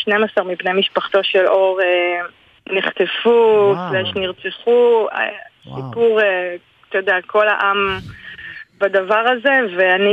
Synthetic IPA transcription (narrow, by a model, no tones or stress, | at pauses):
ʃnemasaʁmipne̞jmiʃpaχt̪o̞ʃelʔo̞ʁe | niχt̪efufleʃniʁt͡seχṵ | sipuʁe | t̪ojod̪eakʰo̞la̰ʔam | bad̪avaʁaze̞veani